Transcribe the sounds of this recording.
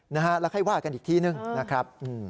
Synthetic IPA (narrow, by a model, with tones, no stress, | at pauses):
na˦˥kʰa˦˥lɛ˦˥wkʰa˥˩jwaː˥˩ka˧nʔiː˨˩k̚t̪ʰiː˥˩nɯ˧ŋna˦˥kʰɾa˦˥p̚ʔɯː˧˩